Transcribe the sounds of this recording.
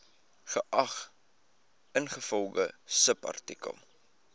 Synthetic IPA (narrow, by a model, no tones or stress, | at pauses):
χəʔɐχ | ənχəfɔlˠɡəsəpɐ̰rtikə̰lˠ